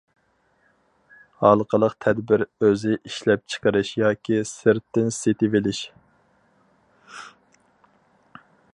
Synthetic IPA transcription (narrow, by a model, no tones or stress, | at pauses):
hɑlˠəqʰəlˠəqt̪ʰɛd̪bɪɾøzɪʔiʃlɛp̚t͡ʃʰə̥qəɾɨʃjɑːkʲisɨɾt̪ːɪnset̪ɪvɪlɪʃ